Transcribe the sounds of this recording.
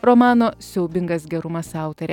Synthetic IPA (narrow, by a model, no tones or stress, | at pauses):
ɾɔmɑːnoːsʲɛʊbʲɪŋɡɐs̬ɡʲɛɾʊmɐsɑˑʊt̪ɐɾʲɛ